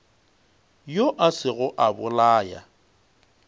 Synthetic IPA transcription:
joʔasɪɣʊʔabʊlaːja̰

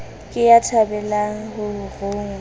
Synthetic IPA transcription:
kʼɪjatʰabɛlaŋ̩hʊʊroːŋ̩

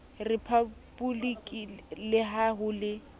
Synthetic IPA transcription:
rɪpʰabulikʼilɪɦaɦʊlɪ

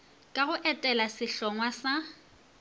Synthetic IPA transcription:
kʼaɣʊʔɛtʼɛlasɪɬɔŋwasa

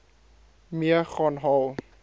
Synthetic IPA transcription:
miɐxɔːnɦɔw

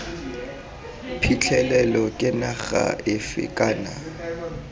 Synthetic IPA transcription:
pʰit͡ɬʰɛlɛlɔkʼɪnaɣa̰ʔɪfɪ̰kʼaːna

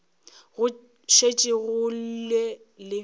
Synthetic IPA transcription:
ɣʊ | ʃet͡ʃʼɪɣʊl̩le | lɪ

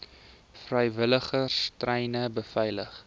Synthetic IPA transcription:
frəjvələχəstrəjnəbəfɛjləχ

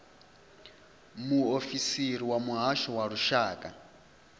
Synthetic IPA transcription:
muofisiɾiwamuɦaʃɔwaɺuʃaːkʼa

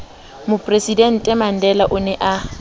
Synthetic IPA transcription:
mʊpʼresidɛn̩tʼɛman̩dɛlaʔʊnɛʔa

